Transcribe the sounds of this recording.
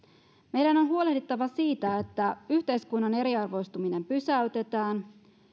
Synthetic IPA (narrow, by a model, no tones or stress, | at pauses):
me̞jdæno̞nɦuo̞le̞hdit̪ːɑʋɑsiːt̪æet̪ːæyçt̪e̞jskunːɑne̞ɾiɑrʋo̞jst̪umine̞mpysæyt̪e̞t̪æːn